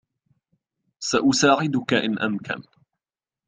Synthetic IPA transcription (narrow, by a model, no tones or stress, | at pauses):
saʔʊsaːʕɪd̪ʊkaʔɪnʔamka̰n